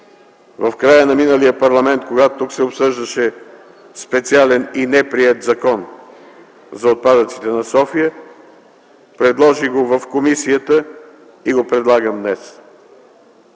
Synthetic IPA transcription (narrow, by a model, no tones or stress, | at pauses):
vɐfkɾajənɐminəlijəpɐɾlˠɐmɛnt̪̚koɡat̪ot̪ːuksɛopsɤʒd̪əʃɛ | spɛt̪sialɛninɛpɾiɛt̪zɐkɔn | zɐot̪̚pad̪ət̪si̥t̪ɛnɐsɔfijə | pɾɛd̪lˠɔʒiɡovəfkomisijət̪ə | iɡopɾɛd̪lˠaɡəmd̪nɛs